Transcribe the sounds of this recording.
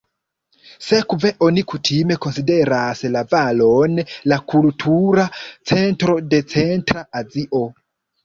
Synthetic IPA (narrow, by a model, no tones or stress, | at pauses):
sekve̞ʔo̞nikutʰime̞ko̞nside̞ɾaslavalo̞nlakʰultʰuɾat͡se̞ntɾo̞de̞t͡se̞ntɾaaziʔo̞